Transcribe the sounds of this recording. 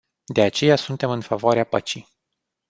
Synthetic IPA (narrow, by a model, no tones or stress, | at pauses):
d̪e̞at͡ʃe̞jasunt̪e̞mɨnfavoaɾeapət͡ʃij